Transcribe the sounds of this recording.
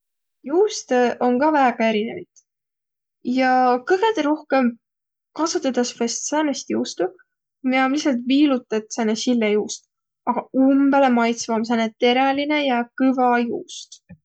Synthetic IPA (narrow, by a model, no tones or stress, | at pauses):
juːst̪eʔo̞ŋkɑvæːɡ̥ɑe̞ɾinevit̪ | jɑkɤɡet̪eɾo̞hke̞m | kɑsut̪ːˑɑd̪̥ɑsfest̪sɑːnest̪juːst̪u | miɑmlisɑlt̪viːlut̪ːˑet̪senesilːejuːst̪ | ɑɡ̥ɑumbelemɑjt̪svɑms̬enet̪e̞ɾeline̞jɑkɯvɑjuːst̪